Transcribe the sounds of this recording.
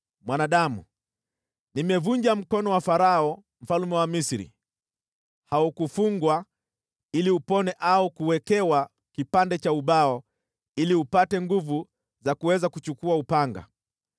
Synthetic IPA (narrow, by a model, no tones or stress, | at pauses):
mwanaɗamṵ | nimɛvuɲd͡ʒam̩kɔnɔwafaɾaɔ | m̩falumɛwamisiɾḭ | haukufuŋɡwa | iliupɔnɛʔaukuwɛkɛwa | kipandɛt͡ʃauɓaɔ | iliupatɛŋɡuvu | zakuwɛzakut͡ʃukuaupaŋɡa̰